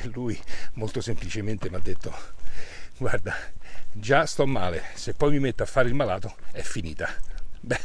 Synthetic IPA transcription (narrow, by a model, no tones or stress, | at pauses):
lujmolt̪osemplit͡ʃement̪emad̪ːet̪ʰːo | ɡward̪ad͡ʒast̪ɔmːaːlesepːɔjmimet̪ːoafːaːɾeilmalaːt̪oɛfːinḭːt̪abɛ